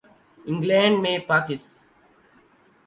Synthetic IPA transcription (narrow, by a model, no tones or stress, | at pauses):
ɪ̃ŋɡlẽɳɖmeːpaːkɪs